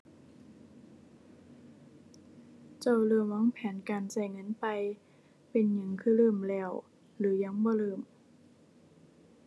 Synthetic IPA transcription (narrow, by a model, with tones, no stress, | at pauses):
t͡ɕa˧˩˨wlɤː˧˩mwɔ˧˥˨ŋpʰɛː˨˩˦nkaː˨nsa˧˩jŋɤ˧˥˨npa˧j | pe˧˨nɲa˧˩ŋkʰɯː˧˥˩lɤː˧˩mlɛː˧˩w | lɯː˨˩˦ja˧˩˨ŋbɔː˧˦lɤː˧˩m